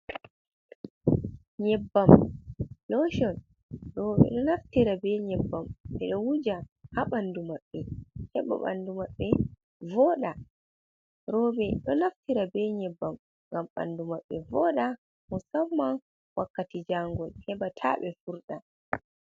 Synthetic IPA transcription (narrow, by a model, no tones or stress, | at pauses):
ɲɛbːam | lɔʃɔn | ɾɔɓɛ̰ɗɔnaftiɾabɛɲɛbːamɓɛ̰ɗɔwud͡ʒahaɓandumaɓːɛhɛɓa̰ɓa̰ndumaɓːɛ | vɔːɗa | ɾɔbɛɗɔnaftiɾabɛɲɛbːam | ŋɡamɓa̰ndumaɓːɛvɔɗa | mɔsamːan | wakːatid͡ʒaŋɡɔlhɛbatʰa̰ɓɛfuɾɗa